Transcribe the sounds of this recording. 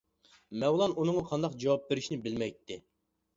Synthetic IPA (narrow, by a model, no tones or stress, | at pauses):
mɛwlˠɑnʔunɨŋɑqʰɑnd̪ɑqd͡ʒɑwɑp̚beɾɪʃnɪbɪlmɛjt̪ʰːɪ